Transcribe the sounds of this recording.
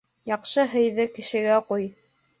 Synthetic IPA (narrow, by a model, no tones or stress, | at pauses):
jɑqʃɤɦɵ̆jðɘkɘ̆ʃɘ̆ɡæquj